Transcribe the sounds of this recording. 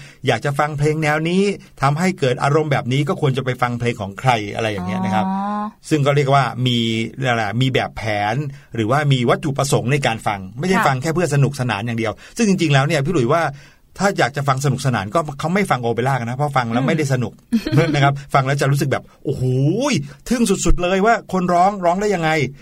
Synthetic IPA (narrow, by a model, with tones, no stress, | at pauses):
jaː˨˩k̚t͡ɕa˨˩fa˧ŋpʰleː˧ŋnɛː˧˥wniː˦˥t̪ʰa˧mɦa˥˩jkɤː˨˩t̪̚ʔa̰ː˧ɾo˧mbɛː˨˩p̚niː˦˥kɔː˥˩kʰu˧ənt͡ɕa˨˩pa˧jfa˧ŋpʰleː˧ŋkʰɔː˩˦ŋkʰɾa˧jʔa̰˧ɾa˧jːaː˨˩ŋːi˦˥ɐna˦˥kʰa˦˥p̚sɯ˥˩ŋk̬ɔː˥˩ɾi˥˩ək̚waː˥˩miː˧a˧˩la˨˩miː˧bɛː˨˩pʰːɛː˩˦n | ɾɯː˩˦waː˥˩miː˧wa˦˥t̪̚ʰːu˨˩pɾa˧so˩˦ŋna˧jkaː˧nfa˧ŋma˥˩jda˥˩jfa˧ŋkʰɛː˥˩pʰɯ˥˩ət̚sa˧nu˨˩k̚sa˧na̰ː˩˦njaː˨˩di˧əwsɯ˥˩ŋt͡ɕi˧ŋt͡ɕi˧ŋlɛː˦˥wni˥ɐpʰiː˥˩lu˩˦jwaː˥˩ | t̪ʰaː˥˩t͡ɕaː˨˩k̚t͡ɕa˨˩fa˧ŋs̬a˧nu˨˩k̚sa˧na̰ː˩˦nkɔː˥˩kʰa˦˥wma˥˩jfa˧ŋʔo˧pa˧jlaː˥˩k̚na˦˥pʰːɔ˦˥fa˧ŋlɛː˦˥wma˥˩jda˥˩js̬a˧nu˨˩k̚na˦˥kʰa˦˥p̚fa˧ŋlɛː˦˥wt͡ɕa˨˩ɾuː˦˥s̬k̚bɛː˨˩p̚ʔu˧˩huː˨˩˦jt̪ʰɯ˥˩ŋsu˨˩t̪̚su˨˩t̪̚lɤː˧jwaː˥˩kʰo˧nɾɔː˦˥ŋɾɔː˦˥ŋdaː˥˩ja˧ŋːa˧j